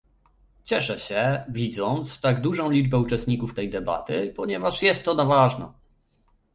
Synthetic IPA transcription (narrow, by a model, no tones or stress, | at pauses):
t͡ɕɛʂɛɕɛvʲid̪zɔnt̪st̪aɡd̪uʐɔ̃w̃lʲid͡ʐbɛut͡ʂɛst̪̚ɲikuft̪ɛjd̪ɛba̰t̪ɘpɔɲɛvaʂjɛst̪ːɔnavaʐna̰